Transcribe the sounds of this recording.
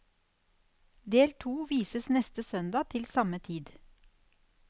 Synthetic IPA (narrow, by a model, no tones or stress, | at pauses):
d̪eːlt̪ʰuːʋiːsəsnɛst̪əsœnd̪ɑːt̪ʰɪlsɑmət̪ʰiːd̪